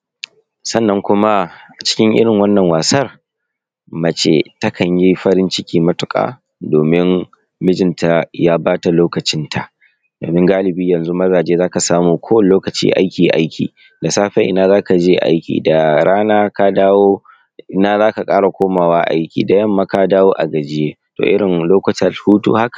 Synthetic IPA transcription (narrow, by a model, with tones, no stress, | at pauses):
sɐ˦nːɐ˦ŋkʷʊ˦ma˦ʔa˨t͡ʃɪ̥˦kʲɪ˦ŋʔɪ̰˦ɽɪ˨ŋwɐ˦nːɐ˨ŋwaː˨sɐ˦r | mɐ˨t͡ʃḛ˨tɐ˦kʰɐ˨ɲji˦ɸɐ˦ɾɪ˦nt͡ʃɪ˦kʲiː˨mɐ˦tʊ˦kʼa̰ː˨ | doː˨mɪ˦n | mɪ˦d͡ʒɪ˨nta˨jaː˦baː˦ta˨loː˦kɐ˨t͡ʃɪ˦ntʰa˨ʔ | do̰ː˨mɪ˦ŋɡaː˦lɪ˨biː˦jɐ˨nzu˦mɐ˦zaː˨d͡ʒeː˦zaː˦ka˨saː˦muː˨kʷoː˦wɐ˦˨˦loː˦kɐ˨t͡ʃḭː˦ʔa̰˦jkʲiː˨ʔa̰˦jkʲḭː˨ | da˨saː˦ɸɛ˦ʔɪ̰˨naː˦zaː˦ka˨d͡ʒeː˦ʔa̰˦jkʲḭː˨da˨ɽaː˦naː˦ka˦daː˦woː˦ | ʔɪ˦naː˦zaː˦ka˨kʼaː˦ɾɽa˨kʷoː˦maː˨waː˦ʔa̰˦jkʲḭː˨da˨jɐ˦mːaː˦ka˦daː˦woː˦ʔa̰˨ɡɐ˨d͡ʒɪ˦jeː˦ | to̰ː˨ʔɪ̰˦ɽɪ˨nloː˦kɐ˨tɐ˨rhuː˦tṵː˦ha˦kḁ˨